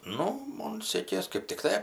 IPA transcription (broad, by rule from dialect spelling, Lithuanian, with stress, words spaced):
ˈnʊ ˈmoːn ˈsʲeːkʲeːs kɜp tʲɪkˈtɐɪ